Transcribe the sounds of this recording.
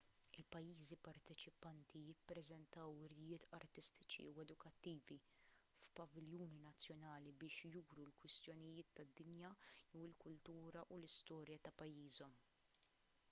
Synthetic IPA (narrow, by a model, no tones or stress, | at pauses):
ɪlpɐjːiːzipɐɾt̪ɛt͡ʃɪpɐnt̪ʰijɪpːɾɛzɛnt̪ɐwɪɾɪjɪːt̪ʰɐɾt̪ɪst̪ɪ̥t͡ʃḭuɛd̪ʊkɐt̪ːiːvi | fpɐvɪljuːninɐt͡sːjɔnɐːlibɪːʃjuːɾulkwɪst̪jɔnɪjɪːt̪ːɐd̪ːɪnjɐjɛwɪlkʊlt̪uːɾɐʔulɪst̪ɔːɾjɐt̪ɐpɐjːiːzɔm